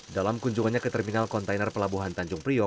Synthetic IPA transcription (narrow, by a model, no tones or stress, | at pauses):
dalamkuɲd͡ʒuŋanɲakət̪ərminalkɔnt̪ajnərpəlabuɦant̪aɲd͡ʒʊŋpɾiɔ